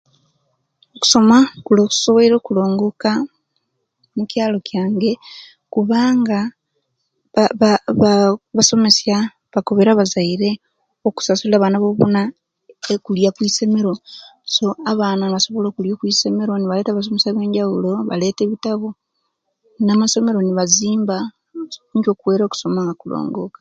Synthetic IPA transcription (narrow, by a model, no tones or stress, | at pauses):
oku̥so̞makuloːku̥so̞βoiɾo̞ːkulo̞ːŋɡoka | mucjaːlo̞cjaːŋɡe̞ | kuβaːŋɡa | βββaso̞me̞sja | βako̞βeɾaβazaiɾe̞ | oku̥sasuliaːβaːnaβoβona | ekuljakwiːse̞me̞ɾo̞so̞aβaːnanβaso̞βo̞lo̞ːkuljokwiːse̞me̞ɾo̞niβale̞ːtaβas̬o̞mesaβe̞ːɲɟaulo̞βa̰le̞ːteβitaβo̞ | namaso̞me̞ɾo̞niβaziːmba | ɲɟokuwe̞ːɾo̞ːku̥so̞maŋɡakulo̰ːŋɡokḁ